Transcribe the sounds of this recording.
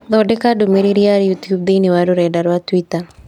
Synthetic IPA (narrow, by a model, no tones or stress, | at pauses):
ðɔdɛkadumeɾiɾiaɾjutjub̚d̪iniwaɾuɾɛdaɾwatwita